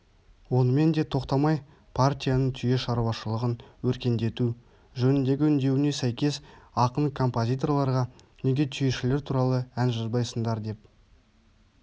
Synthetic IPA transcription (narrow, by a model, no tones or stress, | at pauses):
wo̞nəme̞nd̪e̞t̪ʰo̞qt̪ɑmɑj | pʰart̪ʲijanəɴt̪ʰʏje̞ʃɑɾuɑʃəlˠəʁənwɵɾkʲe̞nd̪e̞t̪u | ʒɵnɪnd̪e̞ɡʲɪʏnd̪e̞wɪne̞sæjkʲe̞sɑqənɴkʰo̞mpo̞zʲijt̪o̞rlˠɑɾʁɑ | ne̞ɡʲe̞t̪ʰʏjeʃɪle̞ɾt̪ʰuɾɑlˠəænʒəzbɑjsənd̪ɑɾd̪e̞p